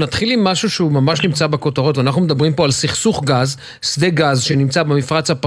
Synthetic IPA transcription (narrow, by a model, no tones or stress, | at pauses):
nat̪χilimːaʃuʃeumamaʃnimt͡sabeko̞t̪aʁo̞t̪veaːnaχnume̞d̪abʁimpo̞alsiχsuχɡaz | sd̪eɡazʃenimt͡sabemifʁat͡shap